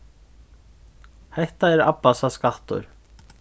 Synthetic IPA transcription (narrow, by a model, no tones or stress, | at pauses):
hejht̪aɛɾa̰pːasaskaht̪ɔ̰ɾ̥